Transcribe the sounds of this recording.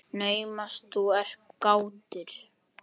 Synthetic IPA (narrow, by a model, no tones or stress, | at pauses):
neːjmast̪uɛr̥kkaːwt̪ɪɾ̥